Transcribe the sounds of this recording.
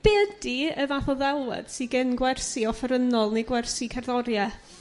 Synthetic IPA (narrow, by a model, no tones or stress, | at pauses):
b̥ɛːdiəvaθɔðɛlˠwɛ̰d̥siɡɪnɡwɛrsiɔfəɾənɔlˠneɡwɛrsikʰɛrðɔɾja